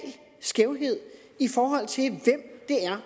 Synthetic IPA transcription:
l | sɡ̥eʊɦe̝ð̞̰ˠ | ifɒːɦɒ̽l̰t͡sʰe̝ʋem̰d̥e̝æɐ

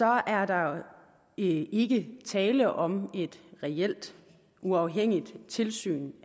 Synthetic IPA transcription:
sɒ̽æɐdɑ̈ | e̝ɡ̥ət͡sʰɛːləʔɒ̽me̝d̥ʁɛel̰d̥ | uɑ̈ʊɦeŋ̰id̥t͡sʰe̝lsy̰ːn

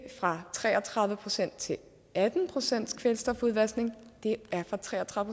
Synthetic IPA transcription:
fʁɑ̈t͡sʰʁɛ̰ːɐt͡sʰʁɑ̈ðˠʋəpʰʁo̝sen̰d̥̚t͡sʰe̝ | æd̥n̩pʰʁo̝sen̰d̥skʰʋelsd̥ɒ̽fuðˠʋæsne̝ŋd̥e̝æɐfʁɑ̈t͡sʰʁɛ̰ːɐt͡sʰʁɑðˠəpʰo

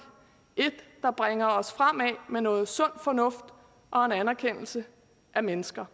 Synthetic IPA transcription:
ʔe̝d̥ːɑ̈b̥ʁeŋɐɒ̽sfʁam̰ɛmenɔ̽ːð̩ˠsɔ̽n̰fɒ̽nɔ̽fd̥ | ʔɒ̽e̝nænæɐkʰen̰l̩sə | ʔæmenəsɡ̥ɐ

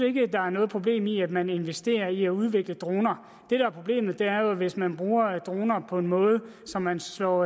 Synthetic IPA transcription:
e̝ɡ̥əæd̥ɑ̈æɐnɔ̽ːðˠpʰʁob̥le̝̰ːmiæd̥mæne̝nʋesd̥e̝̰ːɐiæuð̞ˠʋe̝ɡ̥ləd̥ʁo̝ːnɐ | d̥e̝ɾ̥ɑ̈æɐpʰʁo̝b̥le̝̰ːmð̩ˠd̥e̝æɐjo̝ʋe̝smænb̥ʁuːɐd̥ʁo̝ːnɐpʰɒ̽e̝nmɔ̽ːð̞ˠəsɒ̽mːænlɒ̰

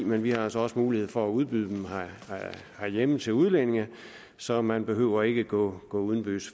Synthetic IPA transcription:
menʋihɑ̈ælsɒɒ̽səmuːlihe̝ð̰ˠfɒ̽æuð̞ˠb̥yð̰ˠd̥emh | hæjemət͡sʰe̝luð̞ˠlene̝ŋɐ | sɒ̽mænb̥e̝ɦø̰ʊɐe̝ɡ̥əɡ̥ɔ̰ɡ̥ɔ̰̽ːuð̞ˠn̩b̥y̰ːs

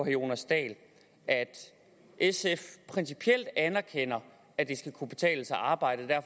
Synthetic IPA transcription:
o̝̰ːnɐsd̥ɛ̰ːl | ʔæd̥ | ʔesefpʰʁɛnsipʰiel̰d̥ænɐkʰen̰ɐ | æd̥e̝sɡ̥ækʰub̥e̝̥t͡sʰɛ̰ːləsɑɑ̈ːb̥ɑ̈ɪ̰d̥əd̥æɐ̰f

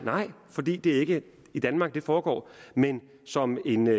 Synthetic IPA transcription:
nɑ̈ɪ̰fɒ̽d̥ḭːd̥e̝æɐe̝ɡ̥ə | id̥ænmɑ̈ːɡ̥̚d̥e̝fɒːɡ̥ɒ̰ːmen | sɒ̽me̝n

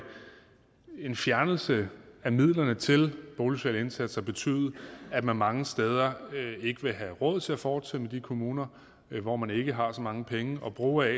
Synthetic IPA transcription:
e̝nfjæɐnl̩səæmið̰ˠlɐnət͡sʰe̝lb̥oʊlusʰɛ̰ːləe̝nsæd̥shɑ̈b̥e̝t͡sʰy̰ːð̩ˠæ̥mænmɑ̈ŋəsd̥eːð̞ˠɐe̝ɡ̥əʋe̝ɦæʁɔð̰ˠt͡sʰe̝æfɒːd̥semed̥ikʰo̝muːnɐ | ʋɒmæne̝ɡ̥əɦɑ̈sɒ̽mɑ̈ŋəpʰeŋəʔɒ̽b̥ʁuːɛ

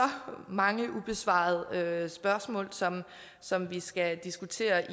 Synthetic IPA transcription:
ɒ̽mɑ̈ŋəʔub̥e̝sʋɑ̰̈ð̩ˠøsb̥ɶɐsmɔ̰̽ːlsɒ̽m | sɒ̽mʋisɡ̥æd̥isɡ̥ut͡sʰe̝̰ːɐʔi

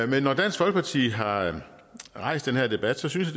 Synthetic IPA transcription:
menːɒd̥æn̰sɡ̥ʋɒ̽lɡ̥əpʰɑ̈t͡sʰḭːɦɑ̈ | ʁɑ̈ɪ̰sd̥enheɐ̰d̥e̝b̥æd̥sɒ̽synsjæ̥

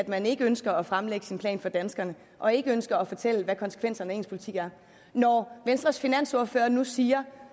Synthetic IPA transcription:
æd̥mæne̝ɡ̥əønsɡ̥ɐːfʁamleɡ̥ə̥sinpʰlɛ̰ːnfɒ̽d̥ænsɡ̥ɐnə | ʔɒ̽e̝ɡ̥əønsɡ̥ɐːfɒ̽t͡sʰel̰əʋækʰɒ̽nsə̥kʰʋen̰sɐnəe̝ːnspʰoli̥t͡sʰḭɡ̥æɐ | nɒʋensd̥ʁɐsfinæn̰soɐfø̰ːɐnusiːɐ

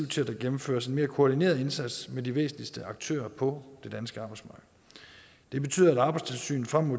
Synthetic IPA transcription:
iʊt͡sʰe̝læd̥æɡ̥emm̩fø̰ːɐse̝nme̝ːɐkʰo̝ɒd̥ine̝̰ːɐð̩ˠe̝nsæd̥smediʋḛːsn̩lisd̥əɑ̈ɡ̥̚t͡sʰø̰ːɐpʰɒ̽d̥e̝d̥ænsɡ̥əɑ̈ːb̥ɑɪsmɑ̈ːɡ̥̩ | d̥e̝b̥e̝t͡sʰy̰ːðˠɐæɾɑ̈ːb̥ɑ̈ɪdst͡sʰe̝lsy̰ːn̩fʁamːo̝

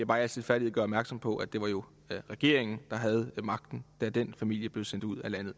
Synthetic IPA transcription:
æb̥ɑ̈ːælsed̥ˠfæɐiðˠɡ̥ɶɐɒbmæɐɡ̥sɒ̽mpʰɒ̽ʔæd̥e̝ʋɑ̈jo̝ | ʁɛɡ̥e̝ɐ̰e̝ŋn̩d̥ɑ̈ɦæð̞̩ˠmɑ̈ɡ̥d̥n̩d̥æd̥enfæmil̰jəb̥le̝ð̩ˠsen̰d̥uð̞̰ˠælæn̰ð̩ˠ

